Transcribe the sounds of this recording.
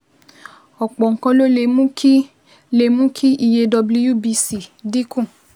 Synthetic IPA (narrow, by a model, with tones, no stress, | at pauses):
ɔ˨k͡pɔ˨ŋ̩˨kɔ̃˧lo˦le˧mũ˦ki˦ | le˧˨mũ˦kʰi˦ʔi˨je˧dɔ˧bli˦ju˦˨bi˧si˨di˦kũ˦˨